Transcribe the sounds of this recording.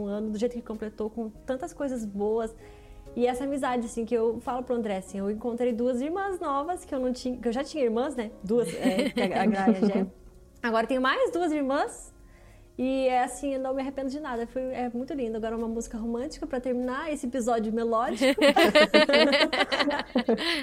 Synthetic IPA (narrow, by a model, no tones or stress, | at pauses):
ũɐ̃nʊd̪ʊʒejt̪ʊkɪ̥kõmplet̪owkõt̪ɐ̃nt̪ɐskojzɐzboɐs | ɪɛsɐamizad͡ʒɪasĩkɪewfalʊpɾʊɐ̃nd̪ɾɛasĩewẽŋkõnt̪ɾejd̪uɐziɾmɐ̃znɔvɐskɪewnɐ̃w̃t͡ʃĩɲɐkɪewʒat͡ʃĩɲɐiɾmɐ̃snɛd̪uɐsɛkaaɡɾãʒɛ | aɡɔɾɐt̪ẽɲ̃ʊmajzd̪uɐziɾmɐ̃s | ɪɛasĩewnɐ̃w̃mɪaɦepẽnd̪ʊd͡ʒɪnad̪ɐfojɛmũj̃t̪ʊlĩnd̪ʊaɡɔɾɐũmɐmuzikɐɦomɐ̃t͡ʃi̥kɐpɾɐt̪eɾmĩnaesɪepizɔd͡ʒʊmelɔd͡ʒiʊ